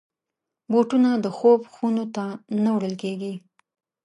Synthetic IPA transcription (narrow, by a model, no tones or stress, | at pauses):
boʈunad̪əxobxunot̪anawɽəlkeɡi